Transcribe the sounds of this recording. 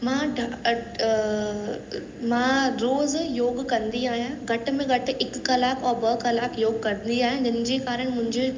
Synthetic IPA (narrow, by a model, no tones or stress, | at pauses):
mãːɖ | mãːɾoːzjoːɡkɐ̃nd̪iaːɦijãɡʱɐʈə̆mẽɡʱɐʈɪ̆ɪkkɐlaːkʰɔːbəkɐlaːkjoːɡkɐɾnd̪iaːɦijãːd͡ʑɪnɪ̆d͡ʑekaːɾəɽ̃mʊ̃ɦɪ̃ɲd͡ʑe